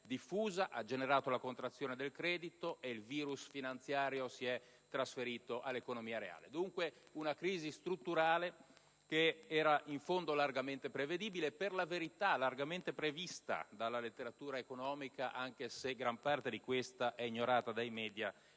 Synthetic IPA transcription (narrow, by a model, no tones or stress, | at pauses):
d̪ifːuːzaʔad͡ʒeneɾaːt̪olakont̪ɾat̪sːjoːned̪elkɾɛːd̪it̪oʔeilviːɾusfinant̪sjaːɾjosiɛ | t̪ːɾasfeɾiːt̪oʔalːekonomiːaɾea̰ːled̪uŋkweunakɾiːzist̪ɾut̪ːuɾaːle | keɛːɾaʔiɱfond̪olarɡament̪epɾeved̪iːbileperlaveɾit̪alarɡament̪epɾevist̪a̰d̪alːalet̪ːeɾat̪uːɾaekonɔːmikaʔaŋk̟eseɡɾampart̪ed̪ikwest̪aʔɛiɲːoɾaːt̪ad̪ajmɛːd̪ja